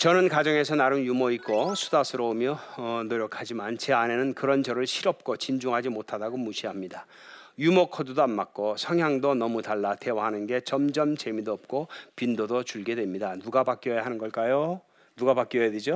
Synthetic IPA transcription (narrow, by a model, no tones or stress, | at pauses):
t͡ɕʌnɯnkad͡ʑʌŋe̞sʰʌnaɾɯnjumoik͈osʰu̥dasʰɯɾʌomjʌʌnoɾjʌkʰad͡ʑimant͡ɕe̞ane̞nɯnkɯɾʌnt͡ɕʌɾɯɭɕʰiɾʌp̚k͈ot͡ɕind͡ʑuŋɦad͡ʑimotʰadaɡomuɕʰiamɲida | jumokʰʌdudoanmak̚k͈osʰʌŋɦjaŋdonʌmutaɭːatewaɦanɯnɡe̞t͡ɕʌmd͡ʑʌmt͡ɕe̞midoʌp̚k͈opindodot͡ɕuɭɡe̞dwe̞mɲidanuɡabak͈jojaɦanɯnɡʌɭk͈ajo | nuɡapak͈jʌjadwed͡ʑo